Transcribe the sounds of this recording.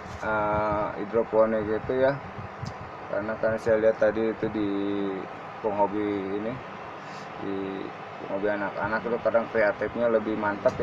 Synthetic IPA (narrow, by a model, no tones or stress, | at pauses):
əḭdɾoponiɡit̪uja | ka̰ɾənakarnasajaliɦat̪ːadiːt̪udi | kɔŋɦobiːni | di | kɔ̰ŋhɦobianaka̰nakit̪ukadaŋkɾeat̪ifɲaləbɪhmant̪ap